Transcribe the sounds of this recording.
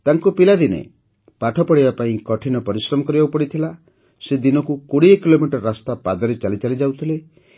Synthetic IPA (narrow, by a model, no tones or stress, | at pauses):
t̪aŋkupilad̪inḛ | paʈʰɔpɔɽibapaĩkɔʈʰinɔpɔɾisɾɔmɔkɔɾibaupɔɽit̪ʰila | sed̪inɔkukoɽiekilomiʈɔɾɾast̪apad̪ɔɾet͡ʃalit͡ʃalid͡ʒawt̪ʰile